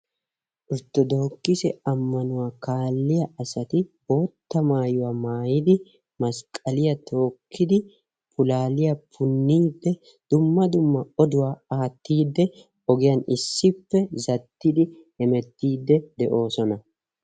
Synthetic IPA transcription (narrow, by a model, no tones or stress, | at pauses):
ʔʊɾt̪ːɔd̪o̞ːkːɪsɛɐmːɐnʊwaːkaːlːɪjɐʔɐsɐt̪ɪbo̞ːt̪ːɐmaːjʊwaːmaːjɪd̪ɪ | mɐskʼɐlɪjɐt̪ʰo̞ːkʰːɪd̪ɪ | pʊlaːlɪjɐpʰʊnːiːd̪ːɛ | d̪̥ʊmːɐd̪ʊmːɐɔd̪ʊwaːaːt̪ːiːd̪ːɛ | ɔɡɪjɐnɪsːɪpːɛzɐt̪ːɪd̪ɪ | hɛmɛt̪ːiːd̪ːɛd̪ɛʔo̞ːsɔnɐ